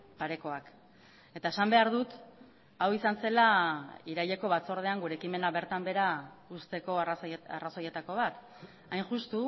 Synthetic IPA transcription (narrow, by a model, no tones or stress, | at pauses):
paɾe̞ko̞ak | e̞t̪ae̞sambe̞aɾðut̪ | awisanse̞laiɾajʎe̞ko̞βat͡so̞ɾð̞e̞aŋɡuɾeːkime̞naβe̞ɾt̪ambe̞ɾa | ust̪e̞ko̞a̰raso̞je̞t̪ako̞β̞at̪ | ajnʝust̪u